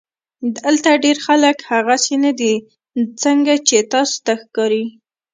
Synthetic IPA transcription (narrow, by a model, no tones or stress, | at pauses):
d̪alt̪aɖeɾxaləkhaɣasenad̪i | t͡səŋɡat͡ʃet̪ɑso̥t̪axkɑɾi